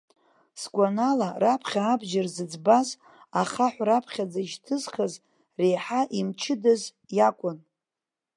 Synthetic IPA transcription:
skʷʼanalarapʰχʲaːbʒarzɨd͡zbaz | aχaħʷrapʰχʲad͡zaʒtʰɨzχaz | rejħaʔimt͡ʃʰɪdaz | jakʷʼʊn

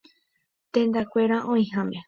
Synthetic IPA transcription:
t̪ẽnd̪akʷeɾaʔõĩhãme

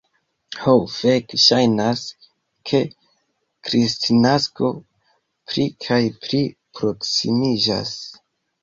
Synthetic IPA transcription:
howfekʃajnas | kʰe̞ | kɾistʰinasko̞ | pɾikʰajpɾipɾo̞ksḭmid͡ʒa̰s

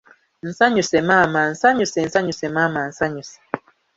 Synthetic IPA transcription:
n̩saɲusɛmaman̩saɲusɛn̩saɲusɛmaman̩saɲusɛ̥

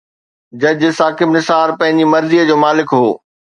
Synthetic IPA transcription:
d͡ʑɐd͡ʑsaːkɪbnɪsaːɾpɐ̃ɦɪ̃ɲd͡ʑimɐɾziəd͡ʑoːmaːlɪkɦoː

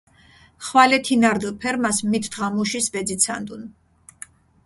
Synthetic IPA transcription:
χwalɛt̪ʰinaɾd̪lˠpʰɛɾmasmit̪ʰd̪ʁamuʃisbɛd̪zit̪sʰa̰nd̪un

